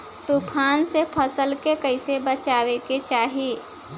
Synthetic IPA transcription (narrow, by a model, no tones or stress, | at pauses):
t̪upʰaːnsepʰəsəlkekəɪsebət͡ʃaːweket͡ʃaːɦie